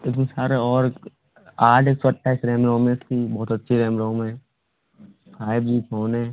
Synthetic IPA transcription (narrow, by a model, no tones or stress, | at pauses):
eːk̪ɪsaːɾeɔːɾ | aːɖeːksɐʈːaɪsɾɛːmɾõːmẽsk̪ibɔːʊt̪ɐtːʃʰiɾɛːmɾõːmɛ̃ | faːɪbiːpʰoːnɦɛ̃